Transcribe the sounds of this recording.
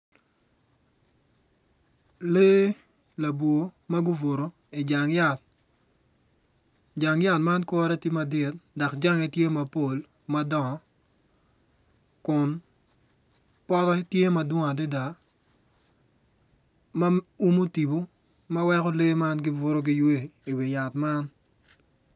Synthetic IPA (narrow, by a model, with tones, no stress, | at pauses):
leː˦ | la˨bwo˨mɐ˦ɡʊ˦vʊ˨ɾo˦ | ɪ˨d͡ʒa˨ŋja˨t̚ | d͡ʒa˨ŋja˦tma˦nkwɔ˦ɾa˦tje˦ma˨dɪ˦˨t̚dɔ˨kd͡ʒa˦ŋe˨˦tje˦mɐ˨po˨l | ma˦dɔ˨ŋɔ˨˦ | kʊ˨n | pɔ˦tɔ˦tje˦mɐ˨dwɔ˦ŋa˨dɪ˦da˨ | ma˦u˦mo˦ti˨bu˦ | ma˦wɛ˦kɔ˦leː˦ma˦nɡɪ˦vʊ˨ɾo˦ɡɪ˦jwe˦˨i˨wɪ˨ja˨tma˦n